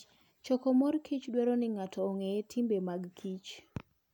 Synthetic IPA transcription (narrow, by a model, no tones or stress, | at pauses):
t͡ʃɔkɔmɔrkʰit͡ʃdwɛɾonɪŋatʰɔːŋetʰimbemaɡkʰit͡ʃ